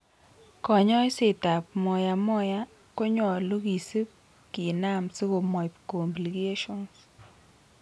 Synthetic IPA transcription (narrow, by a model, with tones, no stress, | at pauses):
kɔ˨ɲɔ˦sɪ˨ta˨pmɔ˨ja˨mɔ˦ja˦ | ko˦ɲɔ˨lu˦ɡi˨sɨ˦k | ki˨na˦msi˦ɣo˨mɔ˨pko˨mbli˨ɡe˦ʃɔ˦ns